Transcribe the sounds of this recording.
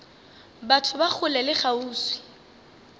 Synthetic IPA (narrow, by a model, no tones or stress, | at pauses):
batʰʊbak͡xʰʊlɛlɪχauːswi̥